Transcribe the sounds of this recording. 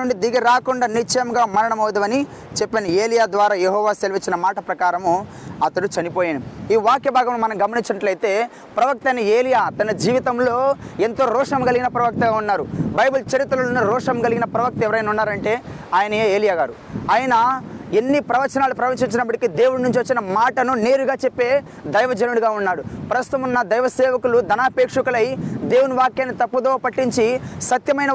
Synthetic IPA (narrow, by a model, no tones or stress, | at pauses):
uɳɖid̪iɡiɾaːkuɳɖaːnit͡ʃːjɐmɡaːmɐɾɐɳɐmɐwd̪ɐʋɐni | t͡ʃepːɐnieːlijaːd̪ʋaːɾaːjeɦɔːʋaːselʋit͡ʃːinɐmaːʈɐpɾɐkaːɾɐmu | ɐt̪ɐɽut͡ʃɐnipoːjaːnɐmiːʋaːkjɐbʱaːɡɐmloːmɐnɐmɡɐmɐniɲt͡ʃɐnɐʈlɐjt̪e̞ː | pɾɐʋɐk̚t̪ɐjnɐeːlijaːt̪ɐnɐd͡ʒiːʋit̪ɐmlo̞ːent̪o̞ːɾɔːʂɐmɡɐliɡinɐpɾɐʋɐk̚t̪ɐɡaːunːaːɾubɐjbult͡ʃɐɾit̪ɾɐɐlonɐɾɔːʂɐmɡɐliɡinɐpɾɐʋɐk̚t̪ɐɛʋɐɾɐjnaunːaːɾɐɳʈe̞ːaːjɐnɐeeːlijaːɡaːɾu | aːjɐnɐenːipɾɐʋɐɾt͡ʃɐnaːlupɾɐʋɐnt͡ʃiɲt͡ʃːinɐpːɐʈikid̪e̞ːwununuɲt͡ʃiʋot͡ʃːinɐmaːʈɐnune̞ːɾuɡaːt͡ʃepːe̞ː | d̪ɐjʋɐd͡ʒɐnuɽuɡaːunːaːɽupɾɐst̪u̥t̪ɐmunːɐd̪ɐjʋɐsɛːʋɐkulud̪ɐnaːpeːkʂukɐlɐjd̪e̞ːwunuʋaːkːjɐnit̪ɐpːuɐd̪oːpɐʈːiɲt͡ʃisɐt̪jɐmɐjnɐ